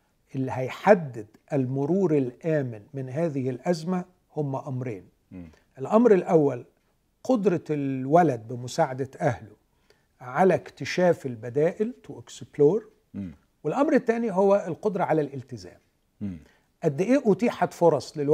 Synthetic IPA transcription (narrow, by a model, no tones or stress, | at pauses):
ʔɪlːihæjħad̪ːɪd̪ʔɪlmʊɾuːɾɪlʔæːmɪnmɪnɦæːðɪhɪlʔæzmæ | hʊmːæʔɑmɾḛːn | ʔɪlʔɑmɾɪlʔæwːæl | qod̪ɾˤɑlwælæd̪̚bɪmʊsaːʕad̪æʔæhlʊ | ʕalækt̪ɪʃæːfɪlbæd̪æːʔɪlt̪ʔɪksbloːɾ | wɪlʔɑmɾɪt̪ːæːniɦowːæɪlqod̪ɾˤɑʕalælʔɪlt̪ɪzæ̰ːm | ʔæd̪ːɪʔiːʔʊt̪iːħat̪foɾˤɑsˤlɪlw